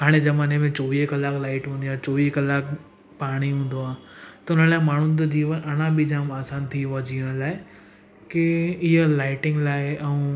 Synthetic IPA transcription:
ɦaːɽ̃ezɐmaːnemẽt͡ɕoːʋiːɦkɐlaːklaːɪʈɦũːn̆d̪iãːt͡ɕoːʋiːɦkəlaːk | paːɽ̃iɦũːnd̪oaːt̪ɐʊnəlaːɪmaːɳ̤ʊnd͡ʑ̪od͡ʑiːʋənʔɐɽ̃ãbʱid͡ʑaːmaːsaːnt̪ʰiad͡ʑiːəɽ̃laːɪ | kɪɪɦəlaːɪʈɪ̃ŋɡlaːɪɛũ

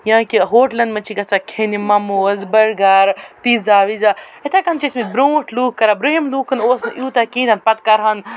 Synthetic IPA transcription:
jãːkiɦoːʈlɐnd̪mɐnt͡ʃʰiɡɐsakʰenimɐmoːəzbɐɾɡaːɾpizaːʋizaet̪ʰakɐnt͡ʃʰismit̪̚bɾoːʈʰluːkːɐɾabɾeɦimluːkʰɐnoːsnʔjuːt̪akĩːnd̪aːnpɐt̪kɐɾaːn

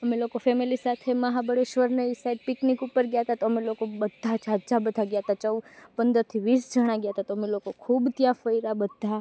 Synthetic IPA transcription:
əmelokofɛmilisat̪ʰeməɦabəɽeʃʋəɾnəisaiɖ̪̚pɪknikupəɾɡjaɦət̪at̪oəmelokobəd̪ʱːat͡ʃaɾt͡ʃabəd̪ʱaɡjaɦət̪at͡ʃəwpənd̪əɾt̪ʰiʋisd͡ʒəɽ̃ãɡjaət̪at̪oəmelokokʰubt̪jãfəiɾabəd̪ʱːa

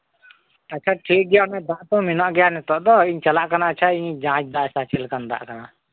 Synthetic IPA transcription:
əːt͡ʃʰaʈʰik̚ɡɛjanad̪ãʔt̪ɔ̃minaʔɡɛjanɛt̪ɔʔd̪ɔiɲt͡ʃalaʔkanaːtt͡ʃʰaiɲd͡ʒãt͡ʃd̪aʔsat͡ʃʰɛlkand̪a̰ʔkana

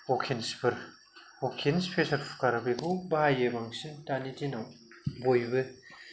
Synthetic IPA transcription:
okʰinspʰɯɾ | okʰinspʰesɐɾfʰu̥kaɾbekʰubaajɯbaŋsintanitinaw | bojbɯ

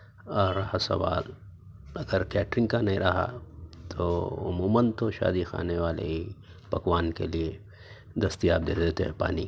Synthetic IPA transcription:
ɐːɾːɐhasɐ̰ʋaːl | ɐɡəɾkɛːʈɾɪ̃ŋɡkanɐĩɾɐɦa̰t̪ʰoɐ̰muːmɐnt̪oʃa̰ːd̪ixa̰ːneʋaːlḛi | pɐkʋaːnkḛlie | d̪ɐst̪ijaːb̚d̪eːd̪eːt̪oepa̰ːni

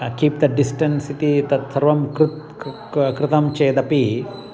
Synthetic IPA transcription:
kiːp̚d̪ɐɖisʈɐ̃nsiʈ̪it̪ɐt̪sɐɾʋɐmkɾt̪ | kɾɪt̪ɐmt͡ʃeːd̪ɐpi

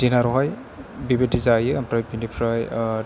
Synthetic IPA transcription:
d̥inaɾɔɦaj | bibedizajɯampɾajbinipʰɾaj

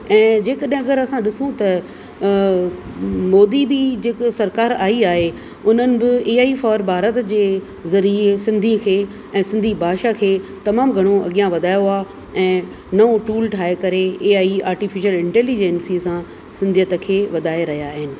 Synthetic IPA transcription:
ɛ̃ːd͡ʑeːkɐɗɦɪ̃ɐɡəɾɐsãɗɪsũt̪ɐ | moːd̪ibid͡ʑeːksɐɾkaːɾaːiaːɦe | ʊn̤ənɪ̆bɪeːaːifaːɾbʱaːɾət̪d͡ʑeː | zɐɾiesɪ̃nd̪ʱikʰeː | ɛ̃ːsɪ̃nd̪ʱibʱaːʃakʰeːt̪ɐmaːmɡʱɐɽ̃oɐ̰ɠijãʋɐd̪ʱaːjoaː | ɛ̃ː | nɐoʈuːlʈʰaːekɐɾeeːaːia̰ːɾʈɪfɪʃəlɪ̃ɳʈɛːlid͡ʑɛnsisã | sɪ̃nd̪ʱijət̪ə̆kʰeːʋɐd̪ʱaːeɾɐɦijaːɦɪnɪ̆

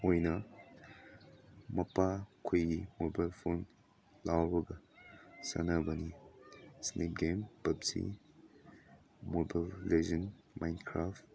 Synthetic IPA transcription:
ojnɐ | mɐpakʰojɡimobajlpʰon | lawbɐɡasɐ̰nabɐni | snʔep̚ɡempɐbsḭ | moballezɐn | majnkʰɾaft

